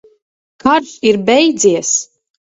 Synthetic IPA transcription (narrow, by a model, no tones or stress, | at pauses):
kaɾʃiɾbɛjd̪ziɛs